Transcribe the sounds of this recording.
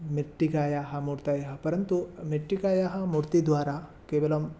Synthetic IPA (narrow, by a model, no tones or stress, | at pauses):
miʈːikaːjaːɦɐ̆muɾt̪aːjɐɦɐpɐɾɐnt̪umiʈːikaːjaːɦɐ̆muɾt̪id̪ʋaːɾa | keːbɐlom